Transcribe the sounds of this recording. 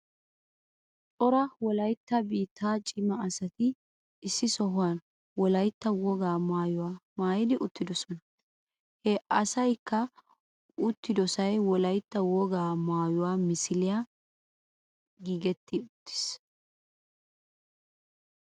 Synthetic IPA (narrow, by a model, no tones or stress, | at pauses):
tʼɔɾɐwɔlɐjt̪ːɐbiːt̪ːaːt͡ʃʼɪmɐːsɐt̪ɪ | ɪsːɪsɔɦʊwan | wɔlɐjt̪ːɐwɔɡaːmaːjʊmaːjɪd̪ɪʔʊt̪ːɪd̪ɔsɔnɐ | hɛɐsɐjkːɐ | ʊt̪ːɪd̪ɔsɐjwɔlɐjt̪ːɐwɔɡaːmaːjʊwaːmɪsɪlɪja | ɡiːɡɛt̪ːɪʊt̪ːɪ̥s